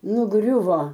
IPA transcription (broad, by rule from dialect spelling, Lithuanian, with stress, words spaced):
nʊˈɡrʲʊʋoː